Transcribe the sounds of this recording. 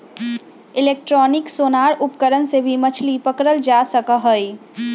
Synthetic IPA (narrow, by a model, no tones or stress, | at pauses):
ɪleːk̚ʈɾɔːnɪksoːnaːɾʊpkəɾənsebʱimət͡ʃʰlipəkɾəld͡ʒaːsəkaɦəi